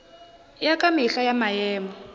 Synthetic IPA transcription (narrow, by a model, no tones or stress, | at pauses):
jakʼamiɬajamajɛːmɔ